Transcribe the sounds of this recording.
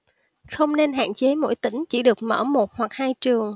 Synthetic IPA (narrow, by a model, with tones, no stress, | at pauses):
xə˧wŋ͡mne˧nɦa̰ː˧˨nt͡ɕe˨˦mo̰˧˥jt̪ï˧˩˦ŋ̟t͡ɕḭ˧˩ɗɨ˨˩ək̚mə̰ː˧˩mo˨˩t̚hwa˨˩k̚haː˧jt͡ɕɨ˨˩əŋ